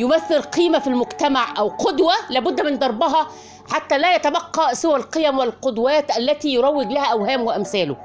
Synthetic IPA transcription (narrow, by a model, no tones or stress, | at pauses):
jʊmæθːɪlqiːmæfilmʊɡt̪æmaʕʔæwqod̪wælæːbʊd̪ːmɪnd̪ˤɑɾˤbɑɦɑ | ħat̪ːælæːjæt̪æbɑqːɑsɪwælqejæmwɪlqod̪wæːt̪ʔælːæt̪iːjoɾˤɑwːɪɡlæhæʔæwhæːmwɪʔæmsæːlʊ